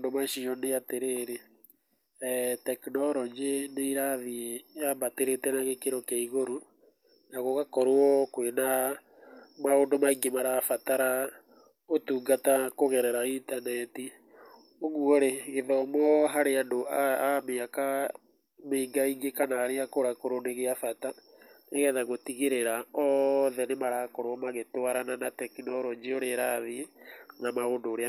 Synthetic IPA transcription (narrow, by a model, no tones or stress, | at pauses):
ndomaʃiɔneateɾeːɾe | tɛknɔɾɔɲd͡ʒeneiɾaðieamateɾetɛnaɣekeɾɔkeiɣoɾo | naɣoɣakɔɾoɔkwena | maondomaiŋɡemaɾafataɾa | otuːŋɡatakoɣɛɾɛɾaintanɛti | oɣwɔɾeɣeðɔːmɔɦaɾeandoaameaka | meiɡaiŋɡekanaːɾeakoɾakoɾondeɣeafata | neɣɛðaɣotiɣeɾeɾaɔðɛnemaɾakoɾɔmaɣetowaɾananatɛkinɔɾoɲd͡ʒioɾeɾaðenamaondoːɾe